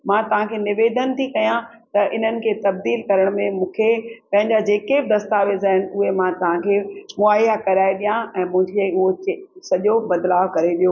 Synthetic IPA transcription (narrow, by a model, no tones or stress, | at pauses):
mãːt̪ɐʋ̤ãkʰeːnɪʋeːd̪ʱənt̪ʰikɐjãt̪ɐʔɪn̤ənɪ̆kʰeːt̪ɐb̚d̪iːlkɐɾəɽ̃mẽmũːkʰepɐ̃ɦɪ̃ɲd͡ʑad͡ʑeːkebɪd̪ɐst̪aːʋezaːɦɪnɪ̆ʊɦemãt̪ɐʋ̤ãkʰeːmʊaːijakɐɾaːiɗijãɛ̃ːmʊ̃ɦɪ̃ɲd͡ʑeliʊɦosɐʄobɐd̪laːʋkɐɾeɗijoː